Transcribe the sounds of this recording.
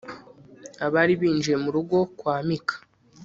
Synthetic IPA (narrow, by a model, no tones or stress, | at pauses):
aβaɾiβiːnd͡ʒiɾe̞muɾuɡo̞kwaːmikʰḁ